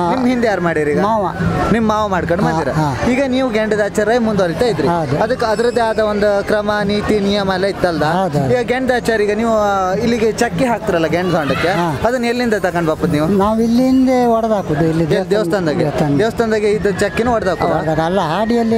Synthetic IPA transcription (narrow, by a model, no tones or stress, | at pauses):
nimːɦind̪ɛjaːɾmaːɽiɾiːɡɐmaːʋɐnimmaːʋɐmaːɽɖkɐɳɖmaːɾiːɾɐaiːɡɐniːʋuɡeɳɖd̪aːt͡ʃɐɾɐmund̪oɾit̪aːjid̪ɾiawd̪uɐd̪ɐkːɐd̪ɐɾɐd̪ːeaːd̪ɐʋond̪ukɾɐmɐniːt̪inijɐmɐɛlːɐit̪ːɐld̪ɐɦawd̪iːɡɐɡeɳɖd̪aːt͡ʃaːɾiːɡɐniːʋuilːiɡet͡ʃɐkːiɦaːk̚t̪iɾɐlːɐɡeɳɖt̪ɐkɐɳɖɐkːeaːɐd̪ɐnːelːind̪ɐt̪ɐkɐɳɖbaːpɐd̪niːʋunaːʋilːiind̪eɔɽɐd̪aːkud̪uilːied̪eʋɐsʰɐnd̪aːɡet̪ɐɛʋɐst̪ʰɐnd̪aːɡeid̪ɐt͡ʃɐkːinuːɔɽɐd̪aːkud̪ɐlːɐaːɖijɐlːi